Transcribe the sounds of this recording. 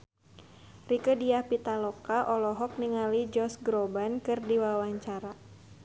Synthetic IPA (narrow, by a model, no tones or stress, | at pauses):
rikədiahpit̪alɔkaʔɔlɔɦɔk̚niŋalid͡ʒɔsɡɾobankɨrdiwawaɲt͡ʃaɾa